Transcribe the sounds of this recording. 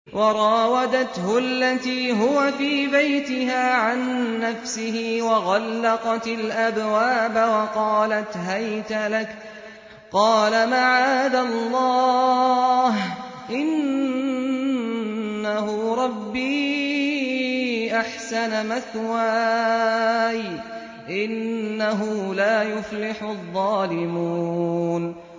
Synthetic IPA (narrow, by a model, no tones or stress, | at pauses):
wʔɑɾˤɑːwad̪at̪hʊalːat̪iːɦʊwafiːbajt̪ɪɦaːʕanːafsɪhɪwɑɣɑlːɑqɑt̪ɪlʔabwaːbawɑqɑːlat̪ɦajt̪alak | qɑːlamaʕaːd̪alˤːɑː | h | ʔɪn | ahʊɾˤɑbːiː | ʔaħsanamaθwa | j | ʔɪnːaɦʊlaːjʊflɪħʊðˤːɑːlɪmun